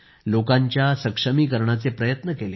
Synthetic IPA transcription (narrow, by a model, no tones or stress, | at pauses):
lokaɲt͡ɕjasəkʂəmiːkəɾɳat͡sepɾəjət̪nəkele